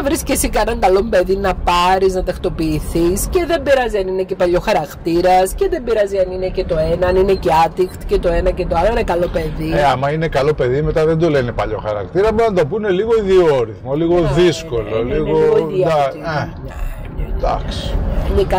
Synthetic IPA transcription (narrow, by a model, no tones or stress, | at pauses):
ɐvɾiscesikɐenɐŋɡɐlo̞mpe̞ðinɐpɐɾiznɐt̪ɐxt̪o̞piːθisce̞ðe̞mbiɾɐziɐnine̞cepɐʎo̞xɐɾɐkt̪iɾɐsce̞ðe̞mbiɾɐziɐninecet̪o̞e̞nɐɐnineceɐt̪ikt̪cet̪o̞e̞nɐce̞t̪oɐloinekɐlo̞pe̞ðieɐmɐinekɐlo̞pe̞ðime̞t̪ɐðend̪olenepɐʎo̞̰xɐɾɐ̰kt̪iɾɐbond̪opune̞liɣo̞iðioɾiθmoliɣoðisko̞loliɣooiɐneɲɐ̰ | nd̪ɐ̰ksi̥inekɐ